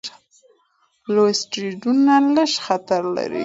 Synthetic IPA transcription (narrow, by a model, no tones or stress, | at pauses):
losʈɾiɖunaləʃxat̪aɾla̰ɾḭ